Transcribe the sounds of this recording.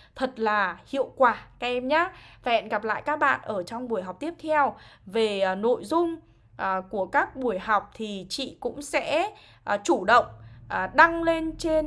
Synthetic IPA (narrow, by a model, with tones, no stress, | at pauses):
t̪ʰə˨˩t̚laː˨˩hḭ˧˨əwkwaː˧˩kaː˧˦ʔɛ˧mɲaː˨˦faː˨˩ɛ̰˧˨nɣa˨˩p̬̚la̰ː˧˨jkaː˦˥k̚ɓa̰ː˧˨nʔəː˧˩t͡ɕɔ˧wŋ͡mɓu˧˩əjɦa˨˩wk͡p̚t̪i˦˥əp̚t̪ʰɛ˧wve˨˩˨no̰˧˨jzʊ˧ŋ͡m | ʔku˧˩əkaː˦˥k̚ɓu˧˩əjha˨˩wk͡p̚t̪ʰi˨˩t͡ɕḭ˧˨kʊ̰˧˥ŋ͡msɛ̰˧˥ | ʔt͡ɕu˧˩ɗə̰˧˨wŋ͡mʔɗa˧ŋle˧nt͡ɕe˧n